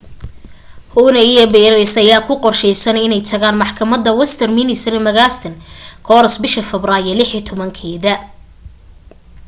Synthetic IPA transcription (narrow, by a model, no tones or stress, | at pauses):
huːnɐijɔbɛːɾɐɾɪsɐjaːkʰʊqɔrʃɛjsɐnɪnɛjt̪ʰɐɣaːnmɑħkʰɐmɐd̪ɐwɛst̪ʰɐrminɪsɾmɐɣaːst̪ʰɐnkʰɔːɾɐsbɪʃɐfɛbraːjɐlɪħit̪ʰɔβɐŋkʰɛːðɐ